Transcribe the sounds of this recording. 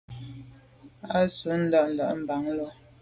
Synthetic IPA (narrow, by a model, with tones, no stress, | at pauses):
a˦su˨˦n̩˦da˦˨ʔn̩˨la̰˨ʔm̩˨ba˨ŋlɔ˦